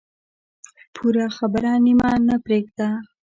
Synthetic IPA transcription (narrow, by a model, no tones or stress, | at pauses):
pʰuɾaxabɾɑnimɑnapɾeɡ̚d̪a